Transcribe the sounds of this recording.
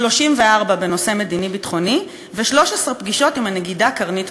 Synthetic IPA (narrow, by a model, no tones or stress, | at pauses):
lo̞ʃimveaʁbabe̞no̞seme̞dinibitχo̞ni | veʃlo̞ʃesʁepɡiʃo̞timane̞ɡidakaʁnit